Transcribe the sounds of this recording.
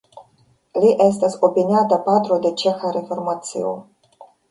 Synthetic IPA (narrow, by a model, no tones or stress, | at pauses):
liʔes̬tasopinʲatapat̪ɾo̞d̪e̞t͡ʃexaɾefo̞ɾmat̪sḭo̰